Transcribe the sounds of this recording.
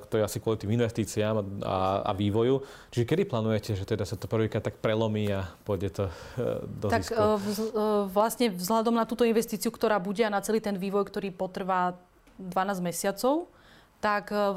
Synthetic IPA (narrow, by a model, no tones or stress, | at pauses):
kt̪ɔjɛasikwʊɔlit̪iːminʋɛst̪iːt͡siama̰a̰ʋiːʋɔju | t͡ʃiʒɛkɛd̪iplaːnujɛcɛʒɛt̪ɛd̪asat̪ɔpr̩ʋiːkɾat̪ːak̚pɾɛlɔmiːapʊɔɟɛt̪ɔd̪ɔt̪aikːs | ʋlasɲɛvzlad̪ɔmnat̪uːt̪ɔinʋɛst̪iːt͡siukt̪ɔɾaːbuɟɛanat͡sɛliːt̪ɛnʋiːʋɔjkt̪ɔɾiːpɔt̪r̩ʋa | d̪ʋanaːzmɛsɪat͡sɔʊ | t̪ak